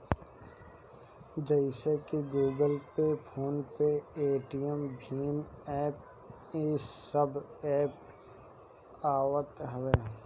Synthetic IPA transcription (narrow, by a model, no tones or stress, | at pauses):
d͡ʒəɪsekiɡuːɡəlpepʰoːnpeeːʈijəmbʱiːmɛːp̚ | eːsəbɛːp | aːwət̪ɦəʋeː